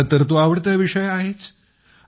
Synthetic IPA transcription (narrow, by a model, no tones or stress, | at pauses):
t̪əɾt̪oaʋəɽt̪̬jaʋiʂəjaɦet͡s